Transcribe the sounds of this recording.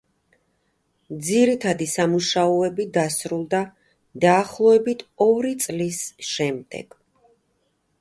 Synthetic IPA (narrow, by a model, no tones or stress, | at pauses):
d̪ziɾit̪ʰad̪isamuʃaɔɛbid̪asɾulˠd̪a | d̪aːχlˠɔɛbit̪ʰɔɾit̪sʼlisʃɛmd̪ɛ̰ɡ̥